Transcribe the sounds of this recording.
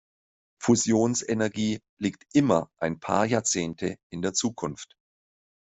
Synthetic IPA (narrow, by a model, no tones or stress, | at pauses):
fuzjoːnsɛnɛɐɡiː | liːk̚tʔɪmɐʔaɪnpʰa̰ːɐjaːɐt͡seːntʰə̰ʔɪndeːɐt͡suːkʰʊnft